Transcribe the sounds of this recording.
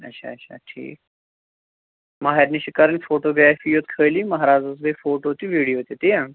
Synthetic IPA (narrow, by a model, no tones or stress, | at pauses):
ɐtːɕʰa̰ɐtːɕʰa̰ʈʰḭːk̚ | maɦejɾniʃikɐɾənfoːʈoːɡɾafijot̪kʰəːlimɐɦaɾaːzot̪ɡəjfoːʈot̪iʋiːɽijot̪et̪iã